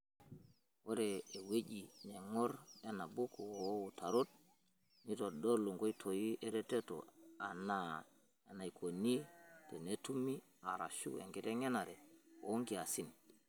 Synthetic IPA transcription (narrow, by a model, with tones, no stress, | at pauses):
wo˦ɾeː˨we˦d͡ʒi˨ɲe˨ŋo˦ɾe˨na˨bu˦ku˨˦wu˨ta˨ɾo˦t̚ | ni˦to˨do˦ɾlu˨ŋɡo˦i˦tʰo˨ji˦ʔe˦ɾe˦te˦to̰˨a˨na˦ | a˨na˨jkʰo˨ni˦te˨ne˦tu˦mi˦ | a˨ɾa̰˨ʃṵ˦ḛ˨ɡe˦te˦ŋe˦na˨ɾe˨o̰˨u˦ŋɡi˨a˨si˦n